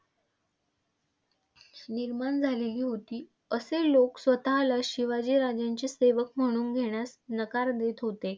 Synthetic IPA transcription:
niɾmaɳd͡zʱaleliːɦot̪iː | əseloksʋət̪alaɕiʋad͡ʑiːɾad͡ʑjaɲt͡ɕiːseʋəkm̤əɽ̃uːnɡʱeɽ̃jasnəkaɾd̪et̪ɦot̪e

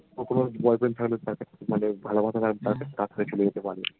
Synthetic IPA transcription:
pɾok̪ʰonobɔjpɾent̪ʰaklet̪aɾkat͡ɕʰemanebʱalobʱat̪at̪aɾt̪aɾkat͡ɕʰekat̪ʰkʰoɾet͡ɕoled͡ʑet̪epaɾe

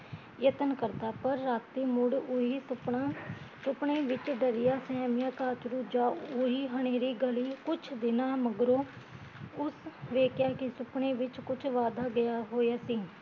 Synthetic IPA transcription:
jət̪ənkəɾt̪aːpəɾːaːt̪iːmʊɽʊisʊpasʊpɳeːʋɪt͡ʃɖəɾɪjaːsɛːmɪjãːkaːt͡ʃt̪ɾuːd͡ʒãːʊiːɦəɽ̃eːɾiːɡəliːkʊt͡ʃʰd̪ɪnaːməɡɾoː | ʊsʋeːkjaːkɪsʊpɳeːʋɪt͡ʃkʊt͡ʃʰʋaːd̪aːɡɪjaːɦoːjaːsiː

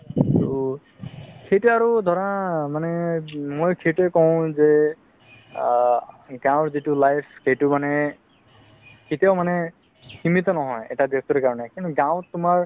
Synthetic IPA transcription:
aɹu | kʰejtuaɹud̪ʱɔɹɔmanɛmojkʰetɛkɔʊ̃zɛ | ɡãw̃ɹzitulajpʰkejtʊmanɛ | kʰetaʊmanɛ | ximit̪ɔnɔɦɔjɛ̰tabjɔstɔɾkaɹɔnɛkintuɡãw̃tʊmaɹ

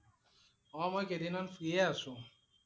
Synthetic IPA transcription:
ɔ̃mɔkedinɔnfɾieasʊ

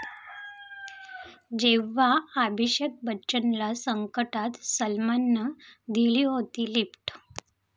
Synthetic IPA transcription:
d͡ʑeʋaabʱiɕjək̚bətːɕənlasəŋkəʈat̪səlmanːəd̪ʱiliɦot̪iːlipʈ

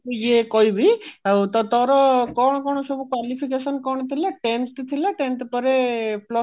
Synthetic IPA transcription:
jekɔibʱit̪ɔt̪ɔɾɔkɔɽ̃kɔɽ̃sɔbukwalipʰikesənkɔɽ̃t̪ʰileʈẽnʈt̪ʰileʈẽnʈ̪pəɾepʰlɔ

